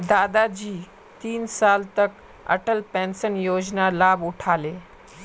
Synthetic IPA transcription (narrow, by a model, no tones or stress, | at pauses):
d̪aːd̪ad͡ʑiː | t̪iːnsaːlt̪ɐk | ɐ̰ʈəlpɛ̃ːnsənjoːd͡ʒnalaːbʊʈʰaːleː